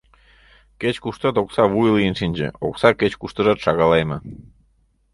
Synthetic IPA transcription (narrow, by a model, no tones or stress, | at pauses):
ket͡ɕkuʃt̪ɑt̪oksɑβujlijənʃinʲd͡ʑḛo̰ksɑket͡ɕkuʃt̪əʒɑt̪ʃɑɣɑlɑjmɤ